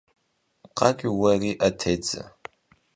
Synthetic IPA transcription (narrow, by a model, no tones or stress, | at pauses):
qʼaɡʲiwariʔatʰejd͡za̰